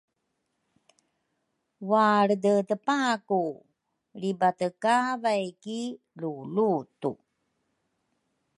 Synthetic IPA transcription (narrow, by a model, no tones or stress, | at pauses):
waɾdətəpaku | libatəkavajki | lulutṵ